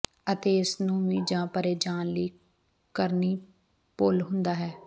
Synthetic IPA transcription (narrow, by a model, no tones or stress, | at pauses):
ət̪eːɪsnũːʋĩːd͡ʒãːpəɾeːd͡ʒaːnliː | kəɾniː | poːlɦʊ̃nd̪aːɦɛː